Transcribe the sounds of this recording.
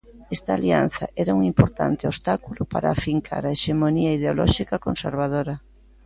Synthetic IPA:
ɛst̪aːlian̟θɐ̰ʔɛɾauŋimpoɾt̪a̰nt̪eost̪akulʊpa̰ɾaːfiŋkʰa̰ɾaeʃemoniaiðeolɔʃikako̰nsḛɾβ̞að̞oɾɐ

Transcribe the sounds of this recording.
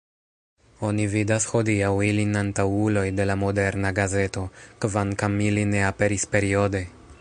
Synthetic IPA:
o̞nividasxo̞diawilinantawulo̞jde̞lamo̞deɾnaɡaze̞to̞kvaŋkamiline̞ape̞ɾispe̞ɾio̞de̞

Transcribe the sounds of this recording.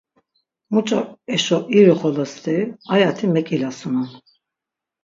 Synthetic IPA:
mut͡ʃʼɔɛʃɔʔiɾiχɔlɔst̪ʰʼiajat̪ʰimɛkʼilasunan

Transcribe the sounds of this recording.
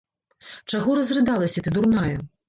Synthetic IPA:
t͡ʂaɣɔɾɐzrɨd̪alˠɐsʲɐt̪ɨd̪urnajɐ

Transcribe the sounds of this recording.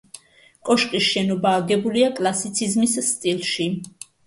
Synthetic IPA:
kʼɔʃqʼisʃɛnɔbaːɡɛbuliakʼlˠasit̪sʰizmisst̪ʼilˠʃi

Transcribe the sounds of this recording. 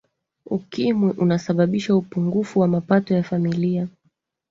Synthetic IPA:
ukimwɛʔunasaɓaɓiʃaupuŋɡufuwamapatɔjafamilia

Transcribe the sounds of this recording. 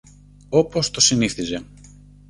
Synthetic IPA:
o̞po̞st̪o̞siniθize̞

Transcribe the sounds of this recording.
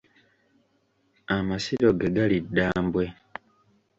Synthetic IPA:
amasiɾo̞ɡeɡalidːaːmbwe̞

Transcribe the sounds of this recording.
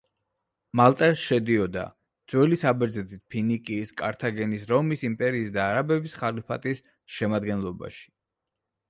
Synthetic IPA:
malˠt̪ʼɛɾsʃɛd̪iɔd̪a̰ | d̪z̥wɛlisabɛɾd̪zɛt̪ʰit̪̚pʰinikʼiːskʼa̰ɾt̪ʰaɡɛnisɾɔmisimpʼɛɾiːsd̪aːɾabɛbisχalipʰat̪ʼis | ʃɛmad̪ɡɛnlˠɔba̰ʃi̥

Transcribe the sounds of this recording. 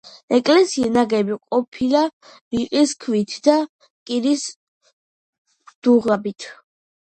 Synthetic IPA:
ɛkʼlɛsiɛnaɡɛbiqʼɔpʰilabiqʼiskʰvit̪ʰd̪a | kʼiɾis | d̪̥uʁabit̪ʰ

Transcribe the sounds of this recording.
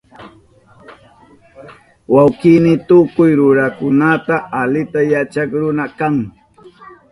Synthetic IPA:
wawkɪmɪt̪ʊkʊjɾʊɾakʊnat̪aːlɪt̪ajat͡ʃakɾʊnakaŋ

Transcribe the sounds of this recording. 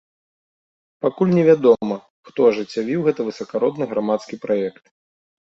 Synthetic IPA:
pakulʲnʲɛvʲad̪ɔmɐ | xt̪ɔɐʐɨt͡sʲːavʲiwɣɛt̪ɐvɨsɐkaɾɔd̪nɨɣɾamat̪skʲipɾajɛkt̪

